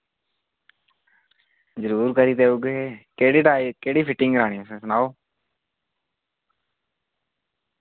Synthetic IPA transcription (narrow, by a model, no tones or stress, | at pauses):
zəɾuːɾkəɾiːt̪eːuɡeekeːɽiːʈaːkeːɽiːpʰɪʈːɪ̃ŋɡɾaːɽiːõsẽsənaːoː